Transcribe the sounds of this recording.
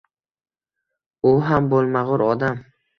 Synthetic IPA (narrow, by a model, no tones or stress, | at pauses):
ʊɦambolˠmaʁʊɾɒd̪am